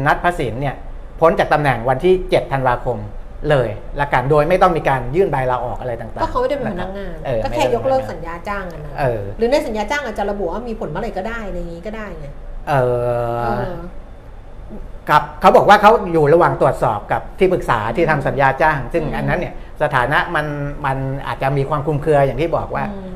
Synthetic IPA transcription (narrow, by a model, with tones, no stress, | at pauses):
na˦˥t̪̚pʰa˦˥siː˩˦nːi˥˩ɐ | pʰo˦˥nt͡ɕaː˨˩k̚t̪a˧mnɛ˨˩ŋwa˧nt̪ʰiː˥˩t͡ɕe˨˩t̪ʰːa˧nwaː˧kʰo˧m | lɤː˧j | la˦˧˥ka˧ndoː˧jma˥˩jt̪ɔ˥˩ŋmiː˧kaː˧njɯː˥˩nbaː˧jlaː˧ʔɔ̰ː˨˩k̚ʔa˧ɾa˧jt̪aː˨˩ŋt̪aːɔː˥˩kʰa˦˥wma˥˩jda˥˩ma˧pʰana˥k̚ŋaː˧nʔɤː˨˩kɔ˥˩mʰ˥˨ɛː˥˩˦jo˦˥˧kɾɤː˥˩k̚sa˩˦njaː˧t͡ɕaː˥˩ŋʔa˧˩nːa˦ʔɤː˨˧˩ɾɯː˩˦na˧jsa˩˦njaː˧t͡ɕaː˥˩ŋʔaː˨˩t͡ɕa˨˩ɾa˧bu˨˩ʔwaː˥˩miː˧pʰo˨˩˦nma˧ɾa˧jkɔː˥˩daː˥˩jʔaɾa˧ŋiː˦˥kɔː˥˩daː˥˩jna˦˥˩ʔɤː˨˩ | kʰa˦˥p̚kʰa˦˥wbɔː˨˩k̚waː˥˩kʰa˦˥wjuː˨˩ɾa˧waː˨˩ŋt̪u˨˩ət̪̚sɔː˨˩p̚ka˨˩p̚t̪ʰiː˥˩pɯ˨˩k̚sa̰ː˩˦t̪ʰiː˥˩t̪ʰa˧msa˩˦njaː˧t͡ɕaː˥˩ŋsɯ˥˩ŋʔa˧nːa˦˥nːi˥˩ə | sa˧t̪ʰaː˩˦na˦˥ʔma˧nma˧nʔa̰ː˨˩t̪̚t͡ɕa˨˩miː˧kʰwaː˧mkʰu˧mkʰɯ˧ɐjaː˨˩ŋʰiː˥˩bɔ̰ː˨˩k̚waː˥˩